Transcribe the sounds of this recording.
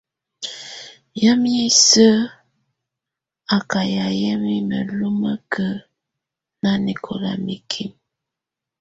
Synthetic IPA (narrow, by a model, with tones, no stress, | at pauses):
ja˦mi˦i˦sə˦ | a˨ka˨ja˨jə˦mi˦mə̰˨lu˦mə˦kʰə˦ | na˦ni˨kʰo˨la̰˨mi˨kʰi˦m